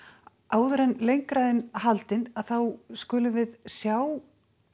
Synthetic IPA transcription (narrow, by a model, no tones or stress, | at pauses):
aːwðʏɾɛnlejŋkɾaðɪnhalt̪ɪnaðθawskʏːlʏvɪðsjaw